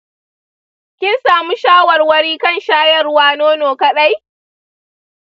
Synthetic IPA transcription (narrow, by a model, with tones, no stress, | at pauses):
kʲɪ˦nsaː˨mu˦ʃaː˦wɐ˨rwɐ˦ɽiː˦kɐ˦˨nʃaː˦jɐ˦˨rʊ˦waː˦noː˦noː˨kɐ˦ɗa˦j